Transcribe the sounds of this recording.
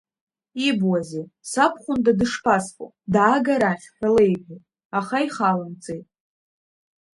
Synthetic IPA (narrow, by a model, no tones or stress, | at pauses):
ibwazisapʰχʷʊndadɨʂpʰasfʼo̰ | daːɡaɾaχʲħᶣalejbʲʷu | aχaiχalant͡sʼejtʼ